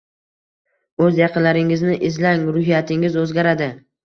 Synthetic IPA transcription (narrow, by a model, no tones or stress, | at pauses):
ɵzjɑqʰɨnlaɾɪŋɪznɪʔɪzlaŋɾʊhijat̪ʰɪŋɪzɵzɡʲaɾad̪ɪ